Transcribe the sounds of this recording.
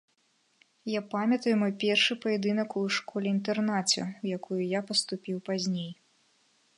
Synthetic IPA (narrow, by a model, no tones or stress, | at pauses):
japamʲɐt̪ɐjumɔjpʲɛrʂɨpɐjɛd̪ɨnɐkuʂkɔlʲɛint̪ɛrnat͡sʲɛ̰wjakʰujujapɐst̪upʲiwpazʲnʲej